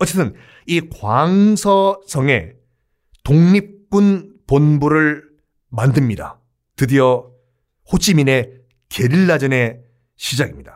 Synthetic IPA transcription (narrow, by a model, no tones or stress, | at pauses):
ʌt͡ɕ͈et͈ʰɯn | ikwaŋsʰʌsʰʌŋe̞ | toŋɲip̚k͈unponbuɾɯɭ | mandɯmɲida̰ | tɯdiʌ | hot͡ɕ͈ʰimine̞ | keɾiɭːad͡ʑʌne̞ | ɕʰid͡ʑaɡimɲid̥a